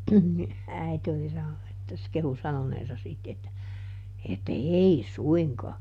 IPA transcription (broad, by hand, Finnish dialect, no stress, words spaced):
ni æite oli sɑnonu etːæ se kehu sɑnoneːsɑ sit etːæ etːæ ei suiŋkɑː